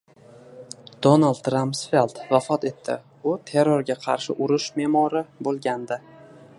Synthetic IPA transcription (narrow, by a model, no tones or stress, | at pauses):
d̪̥onalˠd̪ɾampsfe̞lˠt̪vafɒt̪e̞t̪ʰːɪ̰ | ʊt̪ʰe̞ɾoɾɡʲaqʰɑ̰ɾʃɪʔʊɾɪʃme̞mɒɾɪbolˠɡʲand̪ɪ